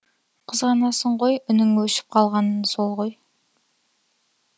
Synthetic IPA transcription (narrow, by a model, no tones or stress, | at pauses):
qʰəzʁɑnɑsəɴʁojʏnɪŋwɵʃɪ̥p̚qʰɑlˠʁɑnənsolˠʁoj